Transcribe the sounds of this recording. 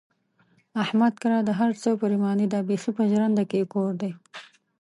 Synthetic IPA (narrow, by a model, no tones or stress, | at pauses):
ahmad̪̚kaɾɑd̪əɦaɾt͡səwpəɾimɑnid̪ɑbexipəʒɾand̪akekoɾd̪ej